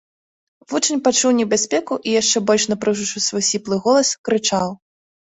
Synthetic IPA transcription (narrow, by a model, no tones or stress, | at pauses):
vut͡ʂɨnʲpat͡ʂuwnʲɛbʲasʲpʲɛkuʔijaʂt͡ʂɛbɔlʲʂnɐpɾɨwʐut͡ʂɨsvɔjsʲiplˠɨɣɔlˠɐskɾɨt͡ʂaw